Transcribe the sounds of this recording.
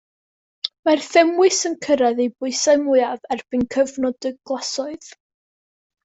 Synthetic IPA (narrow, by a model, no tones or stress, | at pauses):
marθɛmwɨsənkʰəɾaðejbʊɨsamʊavɛrb̥ɨnkʰəvnɔdɪɡɡlˠɔsɔɨð̥